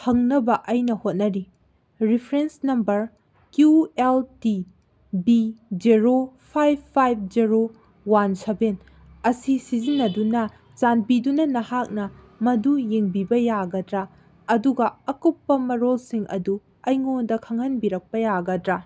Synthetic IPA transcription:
hɐŋnɐbɐʔɐjnɐhot̚nɐɾi | ɾipʰɾensnɐmbɐɾ | kjuelti | bid͡ʒeɾopʰajb̚ʰːajb̚ʰd͡ʒiɾo | wanseben | ɐsisizinːɐdunɐ | t͡ʃanbidunɐnɐhak̚nɐ | mɐdujeŋbibɐjaɡɐdɾɐ | ɐduɡɐɐkupːɐmɐɾolsiŋʔɐ̰du | ɐjŋondɐkʰɐŋhɐnbiɾɐk̚pɐjaɡɐdɾɐ

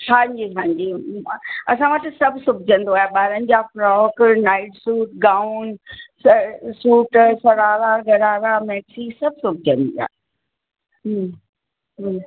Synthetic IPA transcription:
kʰãːɲd͡ʑisãːɲd͡ʑi | ɐsãʋɐʈɪsɐbʱsʊbʱd͡ʑə̃nd̪oaːɦeɓaːɾənɪ̆d͡ʑaːfɾɔːknaːɪʈsuːʈɡaːʊnssuːʈsɐɾaːɾaɡʱɐɾaːɾamɛːksisɐb̚ʱsʊb̚ʱd͡ʑʱə̃nd̪ḭa̰ːɦe | ɦ | ɦ

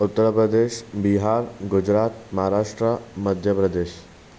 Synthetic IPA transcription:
ut̪ːəɾpɾəd̪eːʃbiɦaɾɡud͡ʑɾaːt̪mɐɦaɾaʂʈɾəməd̪ʱjəpɾəd̪eːʃ

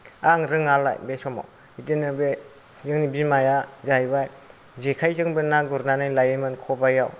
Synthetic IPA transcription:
aŋɾɯŋalːa̰jbesɔma̰w | itinɯbe | zɯŋnibimajazajbaj | zekʰajzɯŋbɯnːaɡɔɾnanɯjlajemɯnkʰɔbajaw

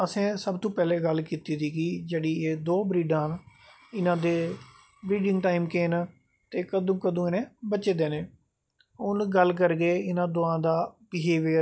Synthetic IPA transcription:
əsẽːsəbt̪õːpɛːleːɡəlkiːt̪iːd̪iːkɪd͡ʒeːɽiːeːd̪oːbɾiːɖãːn | ɪnãːd̪eː | bɾiːɖɪ̃ŋɡʈaːimkeːn | t̪eːkəd̪õːkəd̪õːɪnẽːbəːt͡ʃeːd̪eːneː | ʊnɡəlk̬əɾɡeːɪnãːd̪oːãːd̪aːbɪɦeːʋɪ

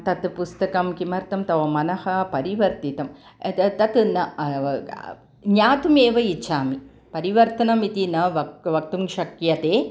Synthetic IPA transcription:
t̪ɐt̪ɨpust̪ɐkɐmkimɐɾt̪ɐmt̪ɐʋɐmɐnɐhɐpɐɾiʋɐɾt̪it̪ɐm | t̪ɐt̪ɨnɐ | ɲaːt̪umeːʋɐit͡ʃʰaːmi | pɐɾiʋɐɾt̪ɐnɐmit̪inɐʋɐʋɐk̚t̪umkʃɐkjɐt̪eː

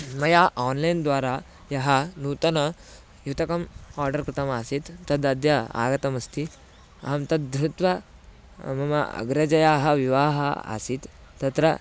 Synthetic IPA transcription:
mɐjaʔɔːnlɐjnd̪ʋaːɾa | jɐɦanuːt̪ɐnɐ | jut̪ɐkɐmaːɾɖɐɾkɾit̪ɐmasit̪ːɐd̪ɐd̪jɐa̰ːɡɐt̪ɐmɐst̪ʰi | ɦɐmt̪ɐd̪d̪ɾut̪ʋɐ | mɐmɐɐ̰ɡɾɐd͡ʒɐjaɦɐʋiʋaːɦɐ̰a̰siːt̪ː | ɐt̪ɾɐ

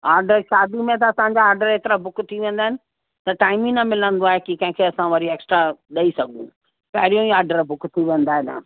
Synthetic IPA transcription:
aːɾɖəɾʃaːd̪imẽt̪ɐɐsãɲ̆d͡ʑaːɾɖəɾet̪ɪɾabʊkt̪ʰiʋẽːn̆d̪aːɦɪ̃nɪ | t̪ɐʈaːɪmĩnɐmɪlə̃nd̪oaːɦekikɐ̃ɦɪ̃kʰeɐsãʋɐɾieːksʈɾaɗɐisɐɡʱṵ̃ | pɐɦɪɾijõiaːɾɖəɾbʊkt̪ʰiʋẽːnd̪aːɦɪna̰

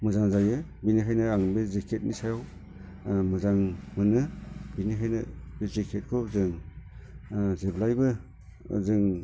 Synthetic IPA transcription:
mɯzaŋzajɯbinikʰajnɯaŋbezekʰet̚nisajaw | mɯzaŋmɯnɯbinikʰajnɯbezekʰet̚kʰɔzɯŋ | zeblajbɯ̰ | zɯŋ

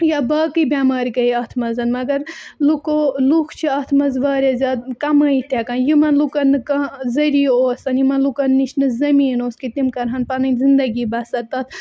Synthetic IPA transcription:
jabaːkibʲjaːmaːɾʲkɐiɐt̪ʰmɐzɐnmɐɡɐɾlukolukʰt͡ʃʰiɐt̪ʰmɐzʋɐːɾʲezʲaːd̪̚kɐmɐit̪ekɐnjimɐnlukɐnɨkɐzɐɾiːoːsɐnjimɐnlukɐnːiʃnɨzɐmiːnoːskit̪imkɐɾɦɐnpɐnɐnzind̪ɐɡiːbɐsɐɾt̪ɐt̪ʰ

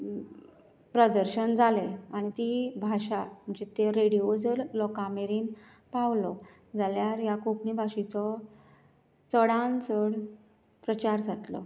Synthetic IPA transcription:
pɾəd̪əɾɕənd͡zʱaleaɽ̃it̪ibʱaɕam̤əɳd͡ʑet̪eɾeɽiod͡zəɾːɔkameɾiːn | paʋlɔ | d͡zaljaɾjakokɳibʱaɕit͡sɔ | t͡səɽãnt͡səɽ | pɾət͡ɕaɾd͡zʱat̪lɔ̰

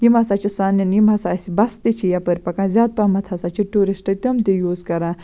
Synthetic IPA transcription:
jimɐsaːt͡ʃʰisaːnɐnjimɐsaːsibɐst̪it͡ʃʰijapəɾʲpɐkãnzʲjaːd̪̚pɐmɐt̪ʰɐsat͡ʃʰiʈuɾisʈɐt̪ʲɐmt̪ijuːzkɐɾãː

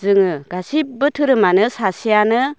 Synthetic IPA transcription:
zɯŋɯɡasip̚bɯtʰɯɾɯmanɯsasijanɯ

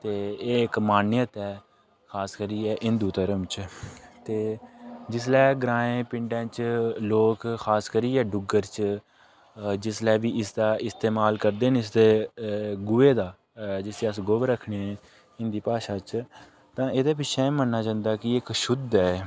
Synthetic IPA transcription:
t̪eːɪkmaːnjət̪ɛː | kʰaːskəɾiːɛːʔɪnd̪uːt̪əɾəmt͡ʃt̪eːd͡ʒɪs̬lɛːɡɾãːẽːpɪɳɖãːt͡ʃloːkxʰaːskəɾiːɛːɖʊɡəɾt͡ʃ | d͡ʒɪslɛːʋiːʔɪsd̪aːʔɪst̪eːmaːlkəɾd̪eːnɪs̬d̪eːɡʊːeːd̪aː | d͡ʒɪseːəs̬ɡoːʋəɾəkʰɳeːɛ̃ː | ɪnd̪iːpaːʃaːt͡ʃ | t̪ãːeːd̪eːp̬ɪt͡ʃʃʰɛ̃ːmənːaːd͡ʒãːnd̪aːkɪɪkʃʊd̪ɛː

